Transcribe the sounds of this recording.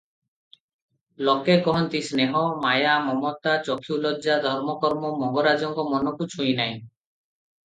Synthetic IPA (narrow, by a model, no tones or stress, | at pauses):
lɔkekɔɦɔnt̪isneɦɔmajamɔmɔt̪at͡ʃɔkʰiulɔd͡ʒad̪ʱɔɾmɔkɔɾmɔmɔŋɡɔɾad͡ʒɔŋkɔmɔnɔkut͡ʃʰujnaj